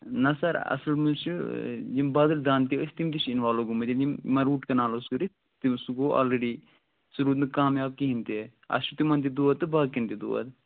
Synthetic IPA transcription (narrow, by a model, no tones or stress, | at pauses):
nɐsɐɾɐ̰sɐlmut͡ʃud͡ʒimbaːd̪ɨld̪aːnt̪iəsʲt̪imt̪it͡ʃinʋaːloɡumɐd̪ind͡ʒimmɐɾuːʈkɐnaːlosɡɨɾi | t̪imsuɡoːʔa̰ːlɾeɖi | suɾuːd̪nɨkaːmjaːb̚kiɦint̪i | ɐ̰sʃut̪imɐnt̪id̪uːɐt̪ːɨbaːkint̪id̪ṵːʋɐ̰t̪